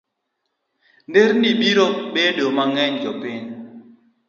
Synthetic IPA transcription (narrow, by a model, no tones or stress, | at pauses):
ndeɾnibiɾɔk̚bedomaŋɛɲd͡ʒɔpɪɲ